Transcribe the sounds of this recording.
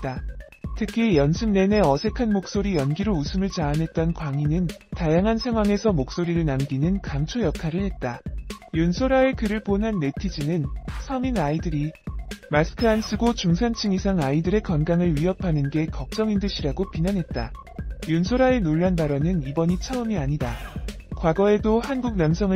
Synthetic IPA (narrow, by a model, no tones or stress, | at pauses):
t̚t͈a | tʰɯkʰijʌnsʰɯmne̞ne̞ʌsʰe̞kʰanmok̚s͈oɾijʌnɡiɾousʰɯmɯɭt͡ɕaːnɦe̞t̚t͈ʌnkwaŋinɯntajaŋɦansʰe̞ŋɦwaŋe̞sʰʌmok̚s͈oɾiɾɯɭnamɡinɯnkamt͡ɕʰojʌkʰaɾɯɭhe̞t̚t͈ajonsʰoɾae̞kɯɾɯɭponɦanːe̞tʰid͡ʑinɯnsʰʌminaidɯɾimasʰɯ̥kʰɯans͈ʰɯɡot͡ɕuŋsʰant͡ɕʰɯŋisʰaŋaidɯɾe̞kʌnɡaŋɯɭɥiʌpʰanɯnɡe̞kʌk̚t͡ɕ͈ʌŋindɯɕʰiɾaɡopinanɦe̞t̚t͈a | jonsʰoɾae̞noɭːanbaɾʌnɯnibʌɲit͡ɕʰaɯmiaɲida | kwaɡʌe̞dohanɡuk̚namsʰʌŋɯ